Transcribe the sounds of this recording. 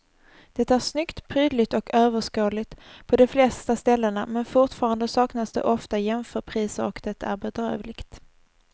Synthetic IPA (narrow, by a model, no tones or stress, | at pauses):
d̪̥ɛt̪ːaæɾʂnʏkt̪pʰɾyːd̪lɪt̪ɔkøːvəʂkoːlɪɡt̪pʰɔd̪ɔflɛst̪ast̪ɛlːənamɛnfʊʈfɑːɾand̪əsɑːknasd̪ɛ̰ʔɔft̪ajɛmfœːɾpʰɾiːsəɾɔkd̪ɛt̪aæɾbɛd̪ɾø̰ːvlɪɡt̪